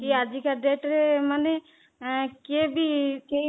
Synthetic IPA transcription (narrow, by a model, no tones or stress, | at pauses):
kiad͡ʒikaɖeːʈɾemane | kebʱike